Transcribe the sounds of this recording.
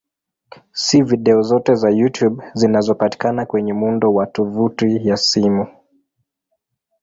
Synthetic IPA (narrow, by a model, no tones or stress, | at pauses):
siviɗɛɔzɔtɛzajutjubzinazɔpati̥kanakwɛɲɛmundɔwatɔvutijasimu